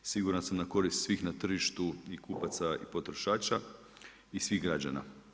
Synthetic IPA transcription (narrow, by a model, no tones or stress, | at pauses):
siɡuɾansamnako̞ɾist̪sʋixnat̪r̩ʒiʃt̪uikʰupat̪saḭpo̞t̪ɾo̞ʃaːt͡ʃa | isʋiɣɡɾad͡ʒa̰na̰